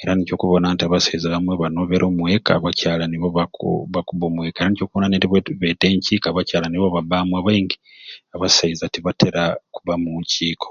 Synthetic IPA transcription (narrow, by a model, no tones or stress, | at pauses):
eɾanico̞ːkuβo̞nantiaβasaizaβamweβano̞βeɾʔoːmwe̞ka̰βacaːlaniβoβaβakuβo̞ːmwe̞ːkaeɾanico̞ːkuβonaneɾiββete̞ːɲciːkaːβacaːlaniβoβaβamwaβaiŋɡi | aβasaizatiβate̞ɾakuβamuɲciːkʰo̥